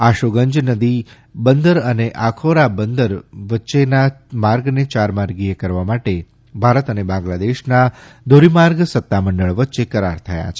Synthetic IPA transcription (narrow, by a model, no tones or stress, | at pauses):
aʃoɡəɲd͡ʒnəd̪i | bənd̪əɾəneʔakʰoɾabənd̪əɾʋətːʃenamaɾɡnet͡ʃaɾmaɾɡiekəɾʋamaʈe | bʱaɾət̪ənebãŋɡlad̪eʃnad̪ʱoɾimaɾɡsət̪ːaməɳɖəɭʋətːʃekəɾa̰ɾt̪ʰəja̰t͡ʃʰe̥